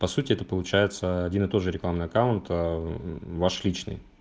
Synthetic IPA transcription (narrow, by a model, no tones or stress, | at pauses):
pɐsutʲɪɛt̪əpəlˠʊt͡ɕæjɪt̪səɐdʲinɨt̪o̞t̪ʐɨɾʲɪklˠamnɨjɐkaʊnt̪ | vaʂlʲit͡ɕnɨ̰j